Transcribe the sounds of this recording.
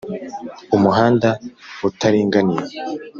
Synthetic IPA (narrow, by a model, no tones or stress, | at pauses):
umuɦaːndautaɾiːŋɡaniɾe